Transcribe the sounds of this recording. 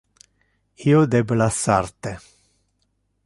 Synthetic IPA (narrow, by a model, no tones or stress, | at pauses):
iod̪eblasart̪e